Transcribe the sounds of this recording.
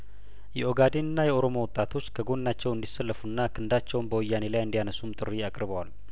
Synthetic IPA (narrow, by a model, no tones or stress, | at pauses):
jɛʔo̞ɡad̪enɨnːajɛʔo̞ɾo̞mo̞wɔt̪ʼat̪ʰo̞t͡ʃːkʰəɡo̞nnːat͡ʃːɛwɨnd̪isːəlːəfunːakʰɨnd̪at͡ʃːɛwnbəwɔjːane̞lajɨnd̪ijanəsumt̪ʼɨrːiakʼɾβəwal